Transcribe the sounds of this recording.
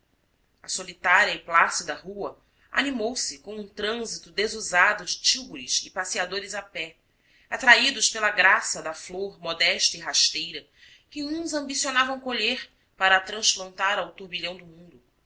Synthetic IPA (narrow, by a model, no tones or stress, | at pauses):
ɐsolit̪aɾiɐɪplasid̪ɐɦuɐ | a̰nimowsɪkõw̃ũt̪ɾɐ̃zit̪ʊd̪ezuzad̪ʊd͡ʒɪt͡ʃiwboɾɪsɪpasiad̪oɾɪzapɛ | at̪ɾaid̪ʊʃpelɐɡɾasɐd̪ɐfloɾmɔd̪ɛʃt̪ɐiɦaʃt̪ejɾɐ | kɪũzɐ̃mbisionavɐ̃w̃koʎeɾ | paɾɐt̪ɾɐ̃splɐ̃nt̪aɾɐwt̪uɾbiʎɐ̃w̃d̪ʊmũnd̪ʊ